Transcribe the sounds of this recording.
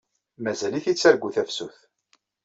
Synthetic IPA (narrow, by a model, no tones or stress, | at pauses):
mæzæliθit͡sːæɾɡːuθæfsuθ